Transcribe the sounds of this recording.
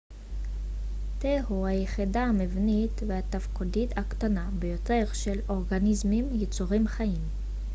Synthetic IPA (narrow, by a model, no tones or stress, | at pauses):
t̪ehuhajeχidaːmevnitvehat̪afkudithakt̪anabejo̞te̞ʁʃelo̞ʁɡanizmimjet͡suʁimχaim